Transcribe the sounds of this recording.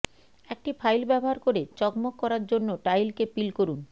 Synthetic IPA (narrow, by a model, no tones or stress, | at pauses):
ek̚ʈipʰajlbɛboɦaɾkoɾet͡ɕɔkmokːɔɾaɾd͡ʑonːoʈajlkepilkoɾun